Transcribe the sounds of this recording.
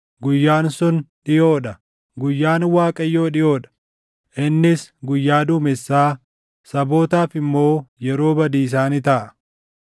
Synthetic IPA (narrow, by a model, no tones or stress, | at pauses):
ɡʊjːaːnsʊnᶑɪjoːᶑɐ | ɡʊjːaːnwaːkʼɐjːo̞ːᶑɪjo̞ːᶑɐ̥ | ʔɪnːɪsɡʊjːaːd̪ʊmɪsːaː | sɐbo̞ːt̪aːfɪmːo̞ːjɛɾo̞ːbɐd̪iːs̬aːnɪt̪ɐʔɐ